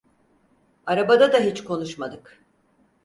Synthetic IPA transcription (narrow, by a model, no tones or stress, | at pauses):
aɾabad̪ad̪aɦet͡ʃkʰo̞nuʃmad̪ɯk